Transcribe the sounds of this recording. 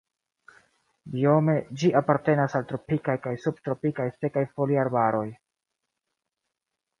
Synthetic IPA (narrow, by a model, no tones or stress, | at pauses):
bio̞me̞d͡ʒiʔapaɾte̞nasaltɾo̞pikajkajsub̚tɾo̞pikajse̞kajfo̞liaɾbaɾo̞j